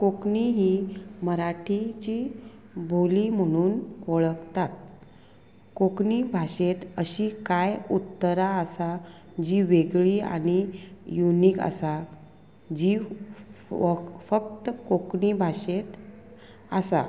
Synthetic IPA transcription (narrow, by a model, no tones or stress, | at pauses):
kokɳiɦiːməɾaʈʰit͡ɕiː | bʱolim̤əɽ̃uːnoɭəkt̪at̪̚ | kokɳiːbʱaɕet̪əɕiːkajut̪ːəɾaəsa | d͡ʑiʋeɡɭiːa̰ɽ̃ijuniːkə̰sa | d͡ʑi | fək̚t̪əkokɳibʱaɕet̪ | əsa̰